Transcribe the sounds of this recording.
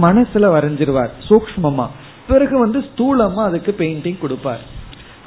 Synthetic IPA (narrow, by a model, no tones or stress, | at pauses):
mɐnɐsɪlɐʋɐɾɐɲd͡ʒɪɾɯʋa̰ːɾsoːkʂɐmɐmːa̰ː | pɪɾɐɣɯʋɐnd̪ɯst̪uːlɐmːaːɐðɐkːɯpejɳʈɪŋkʊɽɯpːa̰ːɾ